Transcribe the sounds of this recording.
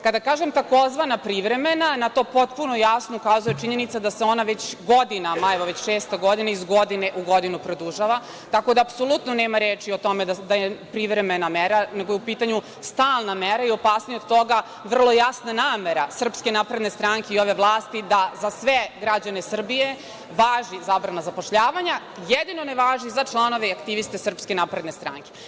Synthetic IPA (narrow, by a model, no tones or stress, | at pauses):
kad̪akaːʒemt̪ako̞zʋanapɾiʋɾe̞me̞nanat̪o̞ːpo̞t̪punojasnoukaːzujet͡ʃiɲe̞nit̪sad̪aseo̞naʋet͡ɕɡo̞d̪inamajeʋoʋet͡ɕʃeːst̪eɡo̞d̪inaizɡo̞d̪ineʔuɡo̞d̪inupɾo̞d̪uʒaʋa | t̪ako̞d̪aːpso̞lˠut̪noneːmaɾeːt͡ʂiot̪o̞med̪d̪ajepɾiʋɾemenameɾaneɡo̞jeupiːt̪aɲu | st̪aːlˠnameɾaio̞paːsnijod̪t̪o̞ɡa | ʋr̩lˠo̞jasnanaːme̞ɾasr̩pske̞naːpɾe̞d̪ne̞st̪ɾaŋkeio̞ʋe̞ʋlˠaːst̪id̪azasʋeɡɾad͡ʑanesr̩bije̞ | ʋaːʒizabɾanazapo̞ʃʎaːʋaɲa | jɛd̪inoneʋaːʒizat͡ʃlˠano̞ʋeakt̪iʋist̪e̞sr̩pske̞naːpɾed̪nest̪ɾa̰ŋke